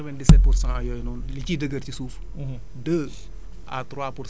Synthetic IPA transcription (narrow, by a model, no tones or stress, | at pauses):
ɛvɛndisɛt̚puɾsãɐjɔjnuːnlicidəɡɐɾcisuːf | dəː | a̰tɾwaːpuɾ